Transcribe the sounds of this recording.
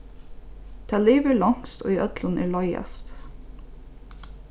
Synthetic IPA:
d̪̥ʰæːliːʋəːɭɑŋst̪ʰo̰ːiːʔœd̪lənʔæːɭɔʏə̰st̪

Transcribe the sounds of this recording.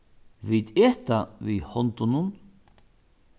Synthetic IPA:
vit̪ɛːht̪avihɔnt̪ʊnʊn

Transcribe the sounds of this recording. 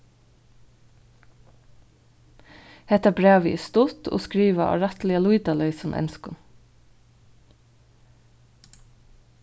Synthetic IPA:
hɛt̪æbɹæːʋəḭːst̪ʊt̪ʰo̰ːskɹiːʋɑʔɑ̰ːɹɑt̪lɪəluɪd̪ɑlœʏsɔmʔɛ̰nskʊm

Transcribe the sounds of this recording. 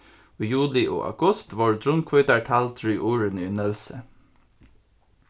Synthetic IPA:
oːjʉːlɪʔo̰ːʔɑ̰ɡ̥ʊst̪ʋɑːɹd̪ɹʊnkʰʋœt̪əɹʈʰælt̪ʰɹyːʔuːɹənʏnɛlsə

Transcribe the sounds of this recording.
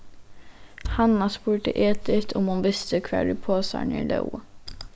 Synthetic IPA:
hanːasbuːɖ̪ə̰ʔeːt̪ɪt̪ʰɔmʊnvɪst̪əkʰvɛ̰ːɖ̪ɪpʰoːsɑ̰ːɳɪ̰lə̰w

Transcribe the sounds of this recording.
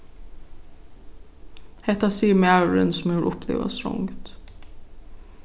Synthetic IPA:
hɛt̪ɑsiːmɛɑʉɹənsmuːɾʔʊpʰlḛːʋɑ̰sɾʊ̰ŋt̪

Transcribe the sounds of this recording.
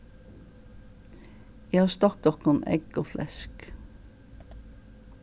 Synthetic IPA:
jehɑːst̪ɑk̚d̪ɔkɑnɛ̰ɡoːflʔɛ̰sk

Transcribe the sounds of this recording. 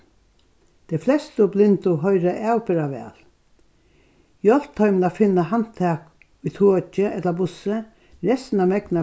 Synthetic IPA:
d̪̥ɛflɛst̪əʊblɪnt̪ʊɦɔʏɾəʔæːwpɪɾaʋɛ̰ːl | jɔl̥t̪ʰːɔʏmnafɪnːaɦan̥t̪ʰæːk | ʊjt̪ʰoːt͡ʃəʔɛt̪labʊsə | ɾɛst̪namɛkna

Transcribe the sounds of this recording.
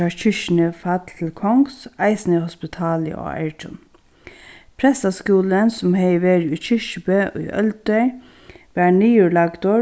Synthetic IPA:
ɑçʏʃnəfɑt̪ʰl̩kʰɔŋɡsæɪsnəhɔspɪt̪ʰɑːlə̰ʔo̰ːæ̰ɪʈʰʊ̰n | pʰɾɛsɑskuːlənsʊmheɪʋeːɾyːçʏʃəbøːʔy̰ʔœ̰ld̪̚œʏ | ʋæːɳiːʉɭɑɡd̪o

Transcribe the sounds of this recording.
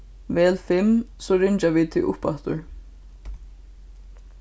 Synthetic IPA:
vɛːlfɪmsɔːɾɪɲt͡ʃaʋit̪ʰɪʔʊ̰hpa̰ht̪ʊ̰ɹ

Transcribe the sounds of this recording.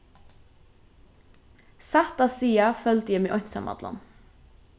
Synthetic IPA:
sæt̪ɑːsiːɑfœlt̪jɛːmeːʔɔnsɑ̰mʔɑ̰d̪lɑ̰n

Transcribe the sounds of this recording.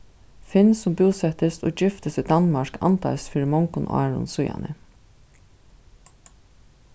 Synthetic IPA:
fɪnsʊmbuːsɛt̪ɪst̪ɔːd͡ʒɪft̪ɪsid̪anmaɹka̰nt̪a̰ɪsfiːɾɪmɔŋkʊnɑ̰ːɹʊ̰nsʊja̰nə̰

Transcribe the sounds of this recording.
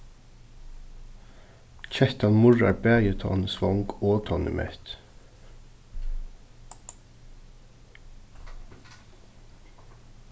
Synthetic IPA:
c͡çɛht̪ɑnmʊɹɑ̰bæːjət̪ʰɑ̰ːnsʋɔŋɡoːt̪ʰɔnɪ̰mʔɛ̰t̪

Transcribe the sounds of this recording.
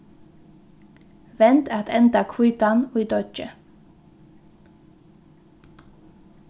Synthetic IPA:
ʋɛnt̪æt̪ʰɛnt̪ɑkʰwʉːt̪ɑnoiːd̪ɔt͡ʃə

